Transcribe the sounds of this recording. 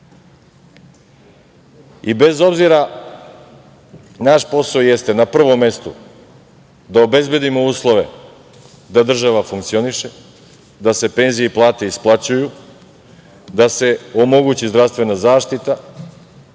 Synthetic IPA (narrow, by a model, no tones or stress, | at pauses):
ibe̞zo̞bziɾa | naʃpo̞saojest̪e̞napr̩ʋo̞mːe̞st̪ṵ | d̪aobe̞zbed̪imo̞uːslˠo̞ʋe̞̰ | d̪ad̪r̩ʒaʋafuŋkt̪sio̞niʃe | d̪ase̞pe̞nzijeplˠaːt̪e̞isplˠat͡ɕuju | d̪ase̞omo̞ɡut͡ɕizd̪ɾavst̪ʋe̞nazaːʃt̪it̪a